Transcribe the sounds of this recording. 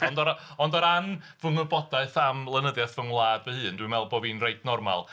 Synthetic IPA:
ɔndɔɾɔndɔɾan | vəŋəbɔdaɨθamlˠənəðjaθvəŋlˠaːd̥vəhɨːndwimɛlˠbɔvinreɨdnɔrma̰lˠ

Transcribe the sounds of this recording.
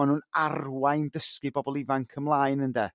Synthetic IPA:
anhũːnarwajndəskɨbɔbɔlˠɪvankʰəmlˠaːɨnəndɛ

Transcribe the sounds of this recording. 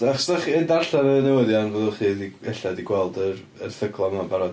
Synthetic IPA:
aχsdaχɛndarɬaɾənɛwəðjanvoðɔχiːdiɛɬadiɡwɛlˠdəɾ | ərθəɡlˠɔmabaɾɔd

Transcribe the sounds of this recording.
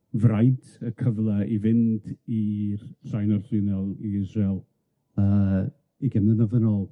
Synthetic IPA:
vrajntʰəkʰəvlˠaivɪntʰirsajnɔrθɪnɛlˠiɪzrɛlˠ | ə | iɡɛmnəðəvənɔːlˠ

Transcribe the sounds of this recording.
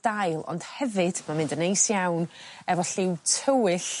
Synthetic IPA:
d̥ajlˠɔ̰nd̥hɛvɨd̥mamɪ̃ndənejsjawnɛvɔɬɪwtʰəwɪɬ

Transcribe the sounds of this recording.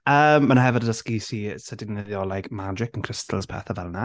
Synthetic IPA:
əːmːənaɦɛvədədəskisisədɪɡnɪðjɔlajkʰmad͡ʒɪkənkʰr̥ɪstʰəl̩ˠz̥pʰɛ̰θəvɛlˠna

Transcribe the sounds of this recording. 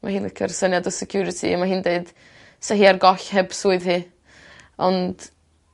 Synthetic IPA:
mʔahɨːnləkʰərsənjadɔsɛkʰjuɾɪtʰḭmaɦiːndeɨd̥ | sɛɦiːarɡɔɬhɛbsuːɨðhi | ɔnd̥

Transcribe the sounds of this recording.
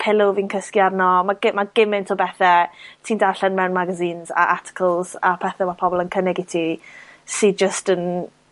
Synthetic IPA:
pʰɪlˠʊviːnkʰəskjadnɔmaɡɪmaɡ̥ɪmɪntʰobɛθɛtʰiːndarɬɛnmɛwnmaɡaziːnza̰ʔartʰɪ̥kʰəlˠz̥apʰɛθɛmapʰɔbɔlˠənkʰənɛɡɪtʰisid͡ʒəstən

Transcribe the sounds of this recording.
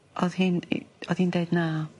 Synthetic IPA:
ɔðhin̰ɔð̥hiːndeɨdna

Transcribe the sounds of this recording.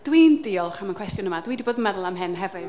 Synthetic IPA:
d̥wiːndɪɔlˠχamankʰw̥ɛstjʊnəmadwiːdiboːdənmɛðlˠamɦɨnɦɛvɨð

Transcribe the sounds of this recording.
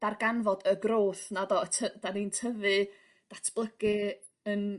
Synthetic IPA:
d̥arɡanvɔdəɡroːθnadɔətʰəd̥aniːntʰəvɨ | d̥atʰb̥lˠəɡ̥ɨ | ən

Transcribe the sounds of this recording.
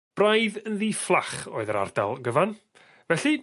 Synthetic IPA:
b̥rajðənðiːflˠaχo̰ːɨðəɾa̰rdalˠɡəvan | vɛɬi

